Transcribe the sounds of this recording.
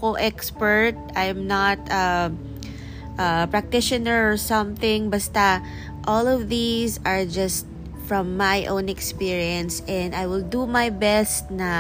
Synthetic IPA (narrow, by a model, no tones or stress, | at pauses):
koʔɛkspɛɹt̪̚ajmnat̪ɐ | ʔɐpɹak̚t̪ɪʃɔnəɹɔɹsʌ̃mθɪ̃ŋbɐst̪ɐ | ʔɔlɔvðizaɹd͡ʒɐst̪̚ | fɹɔ̃mːajʔõw̃nɛkspiɹiɐ̃nsʔɛ̃nd̪ajwɪld̪umajbɛst̪nɐ